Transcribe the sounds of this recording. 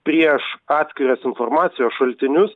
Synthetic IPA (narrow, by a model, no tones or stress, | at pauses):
pʲɾʲiɛʃɑːt̪ʲsʲkʲɪɾʲoːsɪnfoːɾmɑːt̪sʲɪjoːsʃɐlʲt̪ʲɪnʲʊs